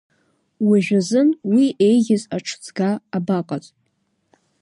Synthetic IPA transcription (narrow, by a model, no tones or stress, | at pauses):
wiʒᶣazɨnwie̞jɡʲɪzaʈ͡ʂʰt͡sʰɡaːbaqʼat͡sʼ